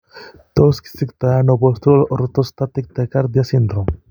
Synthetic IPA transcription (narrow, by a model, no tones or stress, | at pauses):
t̪oski̥sikt̪ajanobolst̪uɾolɾt̪ost̪at̪ik̚t̪ekaɾd̪iasind̪ɾom